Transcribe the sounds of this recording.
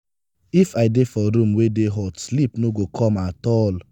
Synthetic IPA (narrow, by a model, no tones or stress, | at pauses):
ifaɪdefɔɾũmwedeɦɔtslipnoɡokʰɔmatɔl